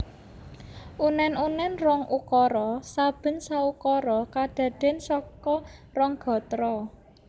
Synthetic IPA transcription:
ʔunɛnunɛnrɔŋukɔɾɔsab̥ə̤nsaukɔɾɔkaɖ̥ä̤ɖ̥e̤nsɔkɔrɔŋɡ̥ɔ̤t̪ɾɔ

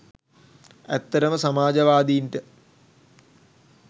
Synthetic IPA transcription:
æt̪ːɐɾəməsamaːd͡ʒɐʋaːd̪iːɳʈə

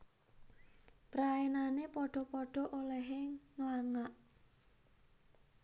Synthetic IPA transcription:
pɾaenanepɔɖ̥ɔ̤pɔɖ̥ɔ̤ʔolɛɦeŋlaŋaʔ

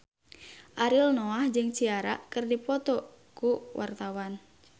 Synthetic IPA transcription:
ʔaɾilnɔahd͡ʒɨŋt͡ʃiaɾa̰kɨrdipɔt̪ɔ | kuwʔa̰rt̪awan

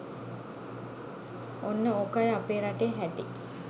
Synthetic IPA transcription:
onːəoːkajapeːɾaʈeːɦæʈi

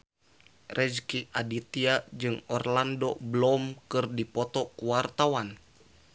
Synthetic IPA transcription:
rʔɛd͡ʒkiʔadit̪iad͡ʒɨŋɔrlandoblɔmkɨrdipɔt̪ɔkuwart̪awan

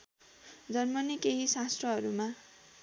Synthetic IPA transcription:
d͡zʌrmʌnikeɦisast̪rʌɦʌɾuma

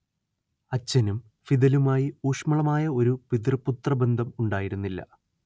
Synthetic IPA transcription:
ɐt͡ɕːɐnum | fid̪ɐlumaːjiuːʂmɐɭɐmaːjɐo̞ɾupid̪rɐpːut̪rɐbe̞nd̪ʱɐmuɳɖaːjiɾunːilːɐ̰

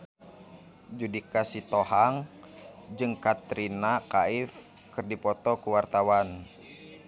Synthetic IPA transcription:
d͡ʒudikasit̪ɔɦaŋ | d͡ʒɨŋkat̪ɾinakaif | kɨrdipɔt̪ɔkuwart̪awan

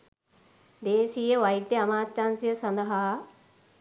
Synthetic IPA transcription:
d̪eːsiːjəʋɐid̪jəɐmaːt̪ːaːnsijɐsɐnd̪ɐɦa

